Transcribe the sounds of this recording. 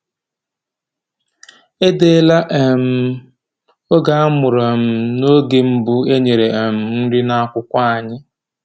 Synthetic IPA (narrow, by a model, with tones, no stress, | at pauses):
e˦de˦la˦ʔe˨m̩˨˦ | o˦ɡa˨a˦mʊ˨ɾɔ˨m̩˦no˦ɡe˨m̩˦bʊ˦e˦ɲe˨ɾe˨e˨m̩˨n̩˦ɾɪ˦na˦kʷʊ˦kʷa˦a˨ɲɪ˦